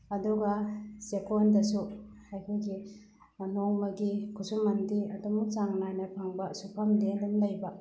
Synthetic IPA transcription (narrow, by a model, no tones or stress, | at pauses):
ɐduɡasekondɐsuhajkʰɯɡi | noŋmɐɡikʰusumɐndiɐdumut͡ʃaŋnajnɐpʰaŋbasupʰamdendunlɐjba